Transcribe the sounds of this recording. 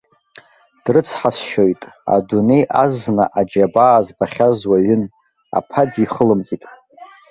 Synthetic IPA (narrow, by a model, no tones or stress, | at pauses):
d̥rɨt͡sʰħasʃo̞jtʼa̰dune̞jʔazna̰ʔad͡ʒabaːzbaχʲazwaɥʊn | a̰pʰadiχəlɨmt͡sʼitʼ